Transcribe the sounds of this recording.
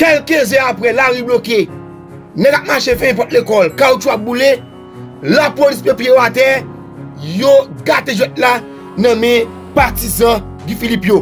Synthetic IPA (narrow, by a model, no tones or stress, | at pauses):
kɛlkezɛapɛlaɣibloke | nɛ̃kap̚maʃefɛ̃ɛ̃p̬ɔt̚lekɔlkaot͡ʃuap̚bule | lapolispjõpjejoatɛ | joɡateʒɛt̚la | nɐ̃mɛ̃ | patizã | ɡifilipjo